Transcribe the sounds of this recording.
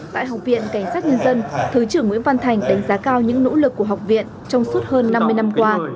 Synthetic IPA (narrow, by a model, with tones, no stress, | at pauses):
t̪a̰ː˧˨jɦa˨˩wk͡p̚vḭ˧˨ənka˧˩jŋ̟saː˦˥t̚ɲə˧nzə˧nt̪ʰɨ˨˩t͡ɕɨ˧˩əŋwḭ˧˥nva˧nt̪ʰa˨˩jŋ̟ɗa˨˦jŋ̟zaː˨˦kaː˧wɲɨ̰˧˥ŋno̰˧˥lɨ˨˩kːu˧˩əɦa˨˩wk͡p̚vḭ˧˨ən | t͡ɕɔ˧wŋ͡msu˦˥t̚həː˧nːa˧mːɨ˧əjna˧mkwaː˧